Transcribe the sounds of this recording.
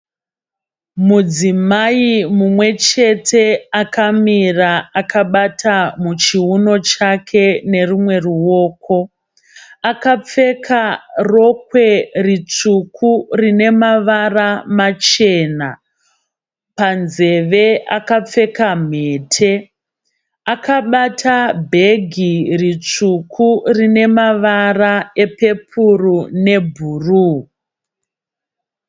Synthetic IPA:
mud͡zimaimumwe̞t͡ʃe̞tʰe̞akʰamiraakaɓatʰamut͡ʃiuno̞t͡ʃakʰe̞ne̞rumwe̞ruwo̞ːko̞ | akap͡fe̞kʰaro̞k̚we̞rit͡sukʰurine̞maʋaramat͡ʃe̞ːna̰ | panze̞ʋe̞akap͡fe̞kam̤e̞ːtʰe̞ | akaɓatʰabʱe̞ɡʱirit͡ʂukʰurine̞maʋarae̞pe̞pʰurune̞bʱuru

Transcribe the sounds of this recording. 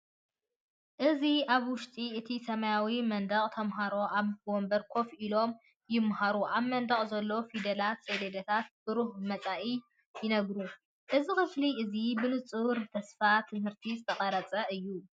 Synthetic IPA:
ʔɨziaβwʊʃt̪ʼiɨt̪ʰisɐmajawimɐnd̪ɐχʼt̪ʰɐmɦaɾo̞ʔaβwombɐɾkʰo̞fʔilo̞m | jɪmːhaɾuʔaβmɐnd̪ɐχʼzɐlːo̞fid̪ɐlat̪sed̪ed̪ɐt̪ʰat̪̚b̥ɨɾuhmɐt͡sʼaʔi | jɪnɐɡɾu | ʔɨzixɨfliɨzibɨnɨt͡sʼɨβɾt̪ʰɐsfat̪ʰɨmhɨɾt̪ʰizɨt̪ʰɐχʼɐɾɐt͡sʼɐɨjːu

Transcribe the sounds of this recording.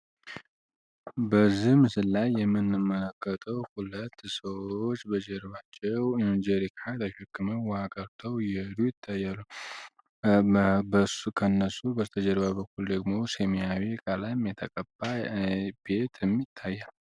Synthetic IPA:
bəzːihmɨsɨlːajːɛmːɨnːɨmːələkːət̪ʰʼəwhulət̪ːsəwot͡ʃːbəd͡ʒɛɾβat͡ʃːɛwd͡ʒɛɾikʰʼat̪aʃɛkːɨməwɔhaɡʼəɾt̪ʰəwjɛhɨd̪ujɪt̪ʰːajːalːu | bəkʰənːəsubəzt̪ʰəd͡ʒəɾβabəkːuld̪əɡmo̞semiawekʼalamjɛt̪ʰəkʼəb̥ab̥e̞t̪ʰɛmːit̪ʰːajːal

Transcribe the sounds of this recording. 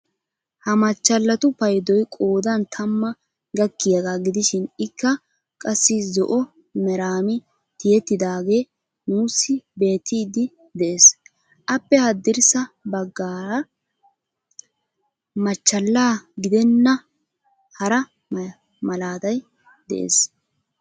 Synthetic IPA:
hɐmɐt͡ʃːɐlːɐt̪ʊpɐjd̪ɔjkʼoːd̪ɐnt̪ʰɐmːɐ | ɡɐkːɪjɐɡaːɡɪd̪ɪʃɪnɪkːɐ | kʼɐsːɪzɔʔɔ | mɛɾaːmɪ | t̪ɪjɛt̪ːɪd̪aːɡe̞ː | nuːsːɪbe̞ːt̪ːiːd̪ɪ | d̪ɛʔeːs | ʔɐpːɛhɐd̪ːɪɾsɐbɐɡːaːɾɐ | mɐt͡ʃːɐlːaːɡɪd̪ɛnːɐ | hɐɾɐ | mɐlaːd̪ɐj | d̪ɛ̰ʔḛːs

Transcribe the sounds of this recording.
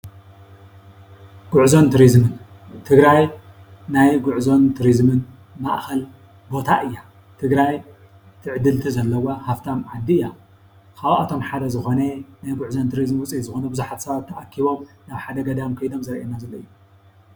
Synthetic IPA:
ɡ̥uʕzo̞nt̪ʰuɾizmɨn | t̪ʰɨɡɾaj | najɡʊʕzo̞nt̪ʰuɾizmɨn | maʔxɐl | bo̞t̪ʰaʔɨjːa | t̪ʰɨɡɾaj | t̪ʰɨʕɨd̪ɨlt̪ʰizɐlːɐwahaft̪ʰamʕad̪ːija | kʰawʔat̪ʰo̞mħad̪ɐzɨxo̞nenajɡuʕzont̪ʰɨɾizmwʊt͡sʼizɨxonɐbɨzuħat̪sɐβat̪ʰːɐʔakʰːiβo̞mnaβħad̪ɐɡɐd̪amkʰɐjd̪o̞mzɐɾʔenːazɐlːɐɨjːu

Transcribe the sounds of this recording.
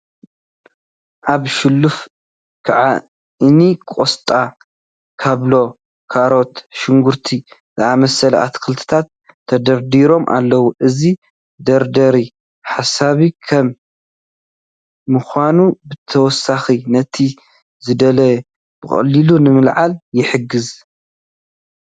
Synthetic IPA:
ʔaβʃɪlːuf | kʰaʕa̰ | ʔɨnikʼost̪ʼa | kʰaβlo̞ | kʰaɾo̞t̪ʃɪŋɡuɾt̪ʰizɨamɐsɐlɐa̰t̪kʰɨlt̪ʰɨ̥t̪ʰat̪ʰː | ɐd̪ɐɾd̪iɾo̞mʔa̰lːɐwuʔɨzi | d̪ɐɾd̪ɐɾi | ħasaβikʰɐm | ɨxʷanubɨt̪ʰɐwɔsːaxinɐt̪ʰi | zɨd̪ɐlɐ | b̥ɨxʼɐ̰lːilunɨmɨlʕaljɪħɨɡɨz

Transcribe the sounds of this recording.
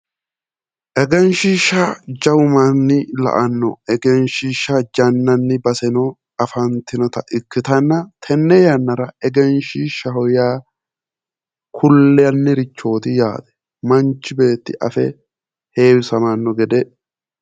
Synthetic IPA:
ʔɛɡɛnʃiːʃːɐd͡ʒɐwʊmɐnːɪlɐ̰ʔɐnːɔ̰ɛɡɛnʃiːʃːɐd͡ʒɐnːɐnːɪbɐsɛnɔ | ɐfɐnt̪ɪnɔt̪ɐʔɪkːɪt̪ɐnːɐt̪ʰɛnːɛjɐnːɐɾɐɛɡɛnʃiːʃːɐhɔjaː | kʰʊlːɛjɐnːɪɾɪt͡ʃːo̞ːt̪ɪjaːd̪ɛ̥ | mɐnt͡ʃːɪbe̞ːt̪ːɪʔɐ̰fɛ | he̞ːwɪsɐmɐnːɔɡɛd̪ɛ

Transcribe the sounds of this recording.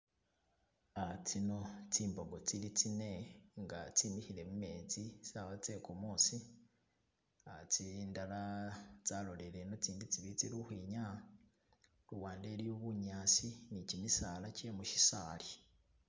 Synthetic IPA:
at͡sino̞t͡siːmbo̞ɡo̞t͡silit͡sine̞ŋɡa̰t͡simihiɾe̞mume̞ːd͡ziaβat͡se̞kumuːsi | at͡sindalat͡saːloleɾe̞no̞t͡siːndit͡siβit͡siɾuhwiːɲa | luwaːndeɾijoβuɲaːsinicimisalacemuʃi̥saːli

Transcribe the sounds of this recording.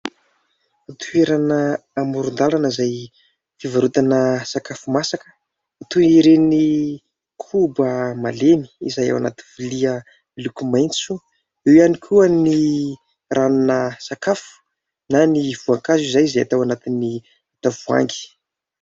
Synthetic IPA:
at̪ueɾanəːmuɾund̪alanəzaj | fivaɾut̪anəsakafumasakə̥ | at̪uiɾeni | kʰubəmaleni̥izaja̰wana̰t̪iviliə | ilukʲumajnt͡su̥ | ewjanikʰuani | rʔanunəsakafu̥ | naniv̥uaŋkazizajizaja̰t̪awanat̪ini | at̪avua̰ŋɡi̥

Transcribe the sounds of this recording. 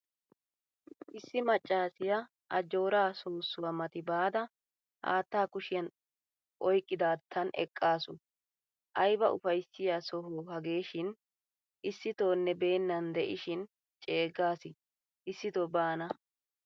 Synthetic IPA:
ʔɪsːɪmɐt͡ʃʼːaːsɪjɐ | ʔɐd͡ʒoːɾaːsoːsːʊwɐmɐt̪ɪbaːd̪ɐ | ha̰ːt̪ːaːkʊʃɪjɐn | ʔɔjkʼːɪd̪aːt̪ʰːɐnʔɛ̰kʼːaːsʊ | ʔɐjbɐʔʊfɐjsːɪjasɔɦoːɦɐɡe̞ːʃɪn | ʔɪsːɪt̪oːnːɛbe̞ːnːɐnd̪ɛʔɪʃɪn | t͡ʃʼe̞ːɡaːsɪ | ʔɪsːɪt̪obaːnɐ

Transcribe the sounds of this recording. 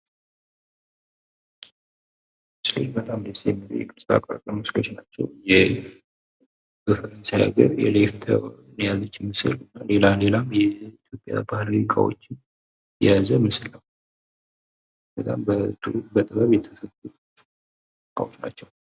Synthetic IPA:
ɨslḛnbət̪ʼamd̪əst̪jɛmiɾ̰j̰kʼɨsʼa̰kʼa̰kʼəməslo̞t͡ʃnat͡ʃːɛ̰wjɛ | ɡ̥əfəɾənsaja̰ɡə̰ɾjɛ̰left̪ʰə̰ | njalːət͡ʃːɪmɨsɨ̰lɨnːale̞lale̞lamjɛit̪ʰjo̞pʼja̰bahliikʼa̰wo̞̰t͡ʃːɪn | jɛ̰jazəmɨsɨləw | b̥ət̪ʼa̰mbət̪ʰubət̪ʼɨβəβjɛt̪ʰəfət̪ʼːutʼ | kʰʼa̰wo̞t͡ʃna̰t͡ʃːɛw

